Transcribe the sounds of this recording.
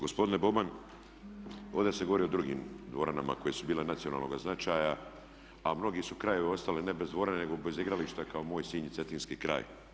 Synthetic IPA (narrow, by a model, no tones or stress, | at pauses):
ɡo̞spo̞d̪inebo̞ban | o̞ːd̪eseɡo̞ʋo̞ɾiod̪ɾuɡḭːmd̪ʋo̞ɾanama̰ko̞je̞subiːlenat̪sio̞na̰lnoɡaznat͡ʃaːja | amno̞ɡisukɾaje̞ʋeo̞st̪alene̞bezd̪ʋo̞ɾanene̞ɡobe̞ziɡɾaliʃt̪ekaomo̞ːjsiːɲit̪e̞t̪iːnskikɾa̰ːj